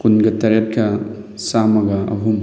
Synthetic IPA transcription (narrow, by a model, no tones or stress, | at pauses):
kunɡɐtɐɾet̚kɐ | samɐɡɐɐ̰ɦum